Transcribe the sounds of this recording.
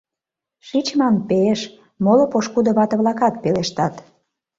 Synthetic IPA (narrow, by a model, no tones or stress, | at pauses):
ʃit͡ɕmɑnpeʃ | molopoʃkud̪ŏβɑt̪ə̆βlɑkɑt̪̚peleʃt̪ɑt̪